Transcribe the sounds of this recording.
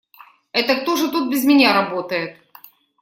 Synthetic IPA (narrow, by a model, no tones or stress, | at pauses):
ɛt̪ɐk̚t̪oʐɨt̪ut̪̚bʲɪzmʲɪnʲaɾɐbot̪əjɪt̪̚